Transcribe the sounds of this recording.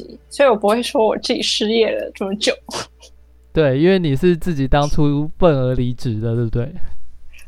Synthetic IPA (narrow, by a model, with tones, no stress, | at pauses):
ḭ˨˦swi˧wɔ˨˩pu˧˦xwe˥˩ɪʂwɔ˥wɔ̰˨˩t͡sɹ̩˥˩t͡ɕi˨˩ʂɻ̩˥jɛ˥˩d̪ə̰˨˩ʈ͡ʂə˥˩mə˩t͡ɕjo˨˩˦ʊ | t̪we˥˩ɪi˦nwe˥˩ɪni˨˩ʂɻ̩˥˧t͡sɹ̩˥˩t͡ɕi˨˩t̪ɑ˥ŋʈ͡ʂʰu˥pə˥˩nə˧˥li˧˥ʈ͡ʂɻ̩˨˩˦d̪ə˩t̪we˥˩bu˩t̪we˥˩ɪ